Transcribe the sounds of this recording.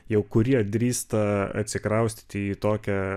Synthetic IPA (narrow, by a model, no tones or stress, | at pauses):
jɛʊkʊɾʲiɛd̪ʲɾʲiːst̪ɐɐ̰t̪ʲsʲɪkɾɐʊsʲt̪ʲt̪ʲiit̪oːkʲɛ